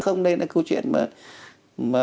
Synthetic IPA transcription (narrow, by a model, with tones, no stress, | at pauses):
xə˧wŋ͡mɗə˧jna̰˧˦kə˧wt͡ɕwḭ˧˨ənmə̰ː˨˩t | maː˨˩